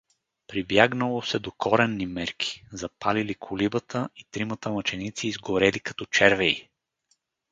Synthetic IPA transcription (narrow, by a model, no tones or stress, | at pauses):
pɾibjaɡnəlˠosɛd̪okʰɔɾɛnːimɛɾkʰi̥zɐpalilikʰʊlibət̪ʰəit̪ɾimət̪əmɐt͡ʃɛnit̪siːzɡoɾɛlikɐ̥t̪ɔt͡ʃɛɾvɛi